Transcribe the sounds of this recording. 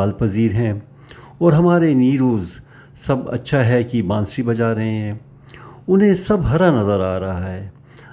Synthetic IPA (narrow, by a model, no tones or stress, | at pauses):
aːlpɐziːɾɦɛ̃ | ɔːɾɦɐmaːɾeniːɾoːz | sɐbɐ̰tːʃʰaɦɛkibãːnsibɐd͡ʒaːɾɐɦẽɦɛ̃ː | ʊnɦẽsɐbɦɐɾanɐzəɾaːɾaɦɛː